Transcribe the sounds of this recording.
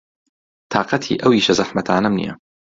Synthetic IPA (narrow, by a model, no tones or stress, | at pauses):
t̪ʰɑːqɑt̪ʰḭːʔɐwiːʃɐzaħmɐt̪ʰaːnɐmnḭjɐ̰